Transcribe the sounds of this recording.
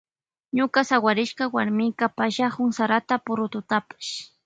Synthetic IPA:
ɲʊkasawaɾɪʃkawaɾmɪkapaʃahʊŋsaɾat̪apʊɾʊt̪ʊt̪apḁʃ

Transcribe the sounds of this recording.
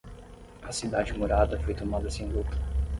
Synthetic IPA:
ɐsid̪ad͡ʒɪmoɾad̪ɐfojt̪omad̪ɐsẽj̃lut̪ʰɐ̥

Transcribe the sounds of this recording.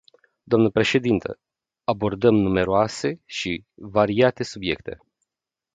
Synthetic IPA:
d̪oamnəpɾe̞ʃe̞d̪int̪ʰə̰ | abo̞rd̪əmnume̞ɾoase̞ʃivaɾiat̪e̞subje̞̰kt̪e̞̰

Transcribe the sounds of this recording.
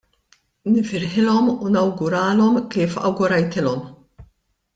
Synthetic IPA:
nɪfɪɾħɪlɔmunɐwɡʊɾɐːlɔmkiːfɐ̰wɡʊɾɐjt̪ɪlɔm

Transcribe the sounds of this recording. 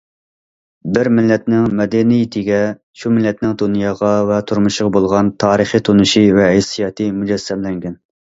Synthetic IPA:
bɪɾmɪlːɛt̪nɪŋmɛd̪ɛnijit̪ʰɪɡʲɛ | ʃumɪlːɛt̪nɪŋd̪unjɑːʁɑvɛt̪ʰuɾmuʃʁɑbolˠʁɑnt̪ʰɑːɾəχit̪ʰonuʃivɛɛsijɑːt̪ʰɨmud͡ʒɛsːɛmlɛŋɡʲɛn

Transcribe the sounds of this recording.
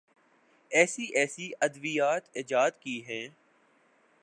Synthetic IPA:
ɛːsiʔɛːsiɐd̪ʋijaːt̪ɪd͡ʒaːd̪kiːɦɛ̃ː

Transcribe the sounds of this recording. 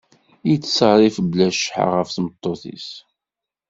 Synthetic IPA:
ijt͡sːsəʁɾˤifblæʃħa̰ʁəfθmət̪ˤːoθḭs

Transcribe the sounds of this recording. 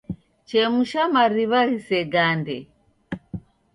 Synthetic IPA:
t͡ʃɛmuʃamaɾiβaɣisɛɡandɛ

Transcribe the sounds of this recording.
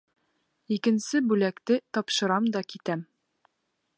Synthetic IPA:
ikɘ̆nsɘbʉlækt̪ɘt̪ɒpʃɤ̆ɾɑmd̪ɒkit̪æm

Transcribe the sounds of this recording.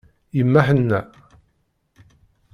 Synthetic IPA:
jəmːaħənːæ

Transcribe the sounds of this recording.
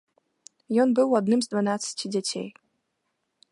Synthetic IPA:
jɔnbɨwɐd̪nɨmzd̪vanat̪sɨ̥tʲʰidʲɛtʲʰḛj

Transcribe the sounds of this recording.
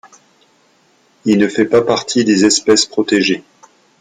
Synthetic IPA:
ilnəfɛpapaʁt̪ʰid̪ezɛspɛspχɔt̪eʒe

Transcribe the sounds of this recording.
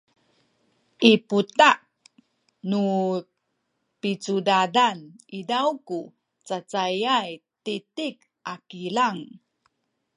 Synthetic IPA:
ʔiputaʔ | nu | pit͡sudadanidawku | t͡sat͡sajajtitik̚ | ʔakilaŋ

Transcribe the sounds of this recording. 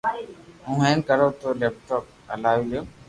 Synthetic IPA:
ũːɦɛ̃ːnkəɾoːt̪oːleːp̚ʈɔːk̚ | əlaːʋiljoː

